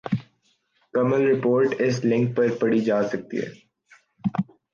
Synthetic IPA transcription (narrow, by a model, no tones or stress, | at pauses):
kɐməlɾɪpoːɾʈɪslɪ̃ŋk̚pɐɾpɐɽid͡ʒaːsɐk̚t̪ḭɦɛ̰ː